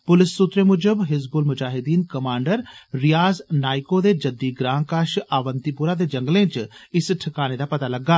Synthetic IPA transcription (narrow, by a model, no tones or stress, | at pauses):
pʊlɪsːʊt̪ɾemʊd͡ʒəbɦɪzbulmʊd͡ʒaːɦɪd̪iːnkɐmãːɳɖəɾɾɪjaːznaːɪkod̪ed͡ʒɐd̪ːiɡɾãːnkaːʃaːʋənt̪ipʊɾad̪ed͡ʒɐ̃ŋɡlẽt͡ʃɪsʈʰɪkaːned̪apɐt̪alɐɡːaː